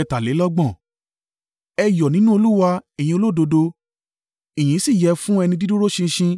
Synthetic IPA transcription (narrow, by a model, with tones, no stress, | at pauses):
ɛ˧ta˨le˨˦lɔ˦ɡ͡bɔ̃˦˨ | ɛ˧jɔ˨nĩ˨˦nũ˦o˧lu˦wa˧ɛ˨j̃ĩ˧o˧lo˦˨do˧do˧ | i˨j̃ĩ˨˦si˦˨jɛ˨˧fũ˦ɛ˧nĩ˧di˦du˦ɾo˦ʃĩ˧ʃĩ˧